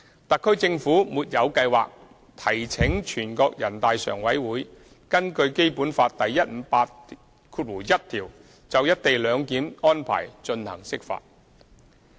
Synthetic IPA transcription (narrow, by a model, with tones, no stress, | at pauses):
t̪ɐ˨kʰːɵ˥ɥt͡sɪ˧ŋfuː˨˥muː˨t̚jɐ˨˧wkɐ˧jwa̰ː˨k̚ | t̪ʰɐ˨˩jt͡sʰɪ˨˥ŋt͡ʃʰyː˨˩nkɔː˧k̚jɐ˨˩nt̪aː˨jsœ̰ː˨˩ŋwɐ˨˥jwuː˨˥j | kɐ˥nkɵ˧ɥke˥jpuː˨˥nfaː˧t̚t̪ɐ˨jːɐ˥t̚m̩˨˧paː˧t̚ | kʰuː˧t̚wuː˨˩jɐ˥t̚t̪ʰiː˨˩w | t͡sɐ˨wjɐ˥t̚t̪e˨jlœː˨˧ŋkiː˨˥nɔː˥npʰa̰ː˨˩jt͡ʃɵ˧nhɐ̰˨˩ŋsɪ˥k̚fa̰ː˧t̚